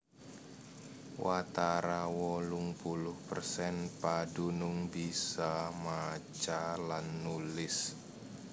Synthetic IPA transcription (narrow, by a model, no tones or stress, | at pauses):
wʔat̪aɾawɔlʊŋpulʊhpərsɛnpadunʊŋbisamat͡ʃalanːulɪs